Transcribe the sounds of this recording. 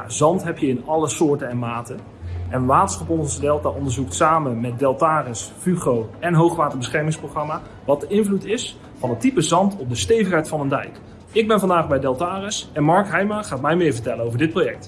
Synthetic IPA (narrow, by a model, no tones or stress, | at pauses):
zɑntɦɛpjəɪnɑlˠəsʊːɹtənɛnmaːtə | ʔɛnʋaːtə̥nsχɑpɔnɔnzədɛlˠtaʔɔndəɹzuktsaːmənmɛt̚dɛlˠtaːrɪsfyχrowɛnɦowχʋaːtəɹbəsχɛɹmɪŋsproχrɑma | ʋɑt̚dəɪnvlutɪs | fɑnətipəzɑntɔp̚dəstejvəχɦɛjtfɑnəndɛ̰jk | ɪɡ̚bɛnvɑndaːχbɛjdɛlˠtaːrɪsɛnmɑɹkɦɛjmaχaːtmɛjmɪːɹvəɹtɛlənowvəɹdɪt̚projɛk̚t